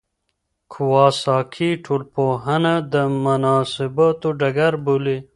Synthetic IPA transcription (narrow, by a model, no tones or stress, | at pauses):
kʰuwɑːsɑːkʰiʈʰolpoɦanad̪əmɐnɑːsɪbat̪oɖɐɡaɾbuli